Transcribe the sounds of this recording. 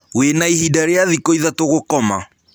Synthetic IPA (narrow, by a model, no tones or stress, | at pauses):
wenaihidaɾeaðikoiðatoɣokɔma